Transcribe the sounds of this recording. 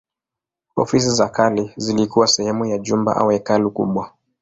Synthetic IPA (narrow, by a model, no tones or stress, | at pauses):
ɔ̰fis̬izakalizilikuwasɛhɛmujaʄumba̰ʔa̰uɛkalukṵɓwa